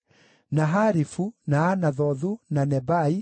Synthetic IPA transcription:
naɦaɾifunaːnaðɔðunanɛbai

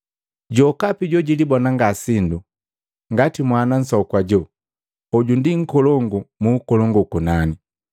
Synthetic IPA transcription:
ɟɔkapiɟɔɟilibɔnaŋɡasindu | ŋɡatimwanan̩sɔkwaɟɔ | ɔɟundiŋ̩kɔlɔŋɡumuːkɔlɔŋɡukunani

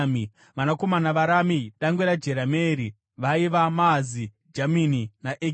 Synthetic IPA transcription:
mi | ʋanako̞manaʋaɾamiɗaŋɡweɾad͡ʒe̞ɾameːɾi | ʋaiʋamazi | d͡ʒamininaʔe

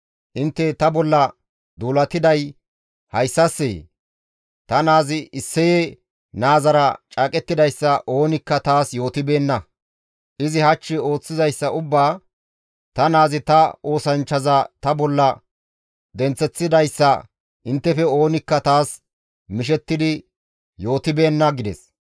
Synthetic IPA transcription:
ʔɪnt̪ːɛt̪ɐbɔlːɐ | d̪uːlɐt̪ːɪd̪ɐj | hɐjsːɐsːḛː | t̪ɐnaːzɪʔɪsːɛje | naːzɐɾɐt͡ʃʼaːkʼɛt̪ːɪd̪ɐjsːɐʔo̞ːnɪkːɐt̪aːsjo̞ːt̪ɪbe̞ːnːɐ | ʔɪzɪhɐt͡ʃːɪo̞ːt͡sːɪzɐjsːɐʔʊbːaː | t̪ɐnaːzɪt̪ɐo̞ːsɐnt͡ʃːɐzɐt̪ɐbɔlːɐ | d̪ɛnt͡sːɛt͡sːɪd̪ɐjsːɐ | ʔɪnt̪ːɛfɛo̞ːnɪkːɐt̪aːs | mɪʃ̬ɛt̪ːɪd̪ɪ | jo̞ːt̪ɪbe̞ːnːɐɡɪd̪ɛ̰s

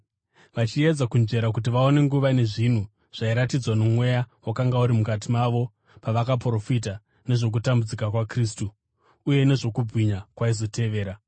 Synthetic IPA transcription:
ʋat͡ʃied͡zakund͡ʒe̞ɾak̬ut̬iʋao̞ne̞ŋɡuʋane̞ʐin̤u | ʐ̥aiɾatid͡zwanomwe̞jawakaŋɡauɾimukatimaʋo̞ | paʋakapro̞fit̬a | ne̞ʐo̞k̬utambud͡zikakwakriːstuː | je̞ne̞ʐo̞kubwiɲakwaizo̞tʰe̞ʋe̞ːɾa

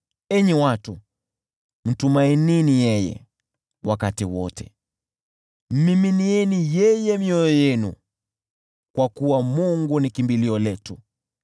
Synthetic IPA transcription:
ɛɲɛwatu | m̩tumaininijɛjɛ̰ | wakatiwɔ̰tʰɛ | m̩miminiɛnijɛjɛmiɔjɔjɛnṵ | kwakuwamuŋɡunikimbiliɔlɛtu

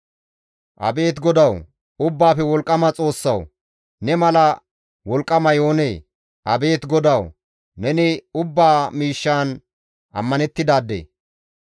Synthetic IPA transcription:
ʔɐ̰be̞ːt̪ɡɔd̪ɐw | ʊbːaːfɛwɔlkʼːɐmɐt͡sʼo̞ːsːɐw | nɛmɐlɐ | wɔlkʼːɐmɐjo̞ːneː | ʔɐbe̞ːt̪ɡɔd̪ɐw | nɛnɪʊbːaːmiːʃːaːn | ʔɐ̰mːɐnɛt̪ːɪd̪aːd̪ːḛː

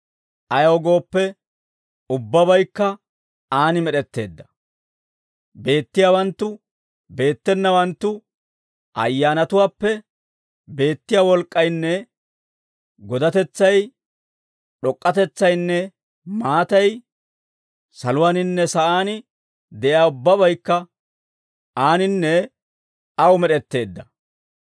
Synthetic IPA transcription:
ʔɐjɐɔɡo̞ːpːɛ | ʊbːɐbɐjkːɐ | aːnɪmɛɗɛt̪ːe̞ːd̪ːɐ̥ | be̞ːt̪ːɪjaːwɐnt̪ːʊ | be̞ːt̪ːɛnːɐwɐnt̪ːʊ | ʔɐ̰jːaːnɐt̪ʊwaːpːɛ | be̞ːt̪ːɪjaːwɔlkʼːɐjnːɛ | ɡɔd̪ɐt̪ɛt͡sːɐj | ɗɔkʼːɐt̪ɛt͡sːɐjnːɛ | maːt̪ɐj | sɐlʊwaːnɪnːɛsɐʔaːnɪ | d̪ɛʔjaːʊbːɐbɐjkːɐ | ʔaːnɪnːɛ | ɐwmɛɗɛt̪ːe̞ːd̪ːɐ

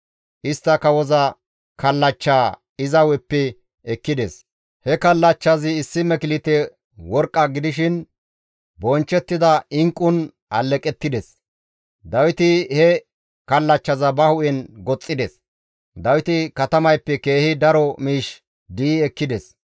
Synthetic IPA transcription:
ʔɪst̪ːɐkɐwɔzɐ | kɐlːɐt͡ʃːaː | ɪzɐwɛpːɛ | ɛkːɪd̪ɛs | hɛkɐlːɐt͡ʃːɐzɪːsːɪmɛkɪlɪt̪ɛ | wɔɾkʼːɐɡɪd̪ɪʃɪn | bɔnt͡ʃːɛt̪ːɪd̪ɐɪŋkʼːʊn | ʔɐlːɛkʼɛt̪ːɪd̪ɛs | d̪ɐwɪt̪ɪhɛ | kɐlːɐt͡ʃːɐzɐbɐhʊʔɛnɡɔt͡sʼːɪd̪ɛs | d̪ɐwɪt̪ɪkɐt̪ɐmɐjpːɛke̞ːhɪd̪ɐɾɔmiːʃ | d̪iːɛkːɪd̪ɛs

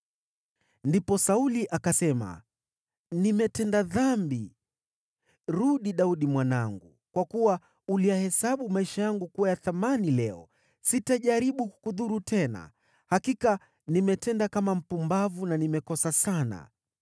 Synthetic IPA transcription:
ndipɔsauliʔakasɛma̰ | nimɛtɛndaðambi | ɾuɗiɗauɗimwanaŋɡu | kwakuwa | ulijahɛsaɓumaiʃajaŋɡukuwajaθamanilɛɔ̰ | sitaʄaɾiɓuku̥kuðuɾutʰɛna̰ | hakika | nimɛtɛndakamam̩pumbavunanimɛkɔsasana̰

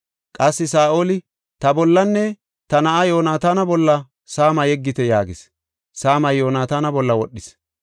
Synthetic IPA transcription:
kʼɐsːɪsaːʔo̞ːlɪ | t̪ɐbɔlːɐnːɛ | t̪ɐnɐʔajo̞ːnaːt̪aːnɐbɔlːɐ | saːmɐjɛɡːɪt̪ɛjaːɡɪs | saːmɐjo̞ːnaːt̪aːnɐbɔlːɐwɔɗːɪs

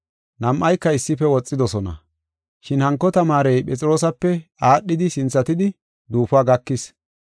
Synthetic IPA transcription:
nɐmʔɐjkːɐɪsːɪpːɛwɔt͡sʼːɪd̪ɔsɔnɐ̰ | ʃɪnhɐŋkːɔt̪ɐmaːɾɛjpʼɛt͡sʼɪɾo̞ːsɐpːɛaːɗːɪd̪ɪsɪnt͡sːɐt̪ɪd̪ɪ | d̪uːfaːɡɐkːɪs

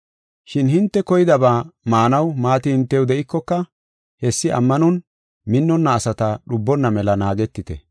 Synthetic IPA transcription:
ʃɪnhɪnt̪ːɛkɔjɪd̪ɐbaːmaːnɐwmaːt̪ɪhɪnt̪ːɛwd̪ɛʔɪkːɔkːɐ | hɛsːɪʔɐ̰mːɐnʊn | mɪnːɔnːɐːsɐt̪ɐɗʊbːɔnːɐmɛlɐnaːɡɛt̪ːɪt̪ɛ̰

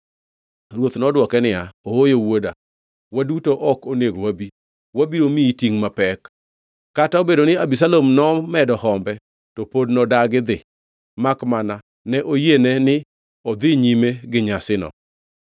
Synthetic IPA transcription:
rwot̪nɔdwɔkɛnɪaoojowoda̰ | wadutoʔɔkoneɡowabi | wabiɾomiitiŋmapɛkː | ataobedonɪabis̬alomnɔmɛdɔhɔmbɛ | tɔpodnɔdaɡɪd̪ɪ | makmana | nɛʔojenɛnɪ | ɔd̪ɪɲimeɡɪɲasɪnɔ̰

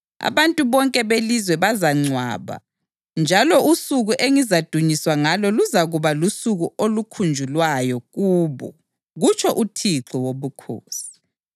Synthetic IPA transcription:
a̰βantʼuβɔŋkʼɛβelizwɛβazaŋ͡ǀʱwa̰ːβa̰ | nd͡ʒʱalɔʔusuɣuʔeŋizad̥ʱuɲiswaŋalɔluzaɣuβalusuɣuolukʰund͡ʒʱulwajɔɣuːβɔ̰ | ɣut͡ʃʰʼɔʔutʰiǁʰɔwoβukʰo̰ːsi̥

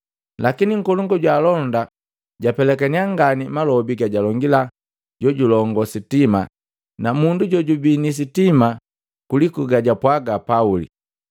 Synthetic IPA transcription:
lakiniŋ̩kɔluŋɡɔɟwaːlɔnda | ɟapɛlɛkɛniaŋɡanimalɔbiɡaɟalɔŋɡila | ɟ̥ɔɟulɔŋɡɔsitima̰ | namunduɟɔɟubinis̬itima | kulikuɡaɟapwaɡapaulḭ

